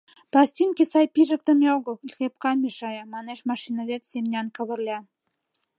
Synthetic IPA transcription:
plɑsʲt̪ʲinkesɑjpiʒə̆k̚t̪ə̆meoɣə̆lxʲep̚kɑmʲiʃɑjɑmɑneʃmɑʃinəβet̪semnʲɑnkə̆βə̆rlʲɑ

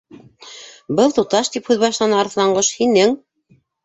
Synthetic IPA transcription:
bɤlˠt̪ut̪ɑʃt̪iphʉðβɑʃlˠɑnɤɑɾθ̆lˠɑɴɢoʃhinɘŋ

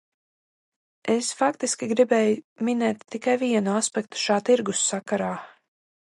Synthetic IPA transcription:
esfak̚t̪iskʲiɡɾibɛːjuminɛːt̪ːikajviɛnuaspɛkt̪u̥ʃaːt̪iɾɡusːakaɾaː

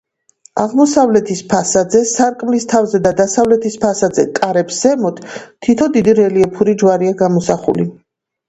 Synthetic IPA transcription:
aʁmɔsavlɛt̪ʰispʰasad̪zɛsaɾkʼmlist̪ʰavzɛd̪ad̪asavlɛt̪ʰispʰasad̪zɛkʼaɾɛpszɛmɔt̪ʰt̪ʰːit̪ʰɔd̪id̪iɾɛliɛpʰuɾid͡ʒwaɾiaɡamɔsaχṵli

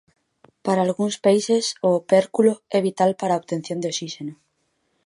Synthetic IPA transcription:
paɾaːlɣuŋspajsesopeɾkuloɛβit̪alpaɾaoβt̪en̟θjond̪eosiʃeno

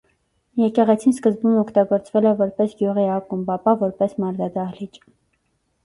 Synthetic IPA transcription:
jɛkɛʁɛt͡sʰinskəzbumɔkʰt̪ɑɡɔɾt͡svɛlɛvɔɾpɛsɡjuʁiɑkumbɑpɑvɔɾpɛsmɑɾd̪ɑd̪ɑhlit͡ʃ

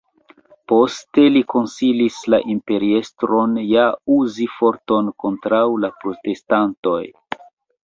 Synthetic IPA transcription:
po̞ste̞liko̞nsilislaʔimpe̞ɾie̞stɾo̞njauzifo̞ɾto̞nko̞ntɾawlapɾo̞te̞stanto̞̰j

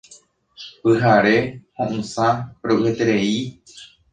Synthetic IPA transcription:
pɨɦaɾe̞hõʔũsãɾoʔɨet̪eɾe̞i

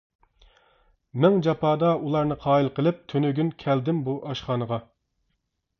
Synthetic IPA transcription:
mɛŋd͡ʒɑpʰɑːd̪ɑulˠɑɾnɨqʰɑːilˠqəlˠɪp̚t̪ʰønyɡʲynkʲʰɛld̪ɪmbuʔɑʃχɑːnəʁɑ

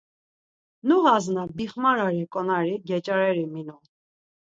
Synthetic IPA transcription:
nuʁɑznɑbiχmɑɾɑɾikʼɔnɑɾiɡɛt͡ʃʼɑɾɛɾiminu

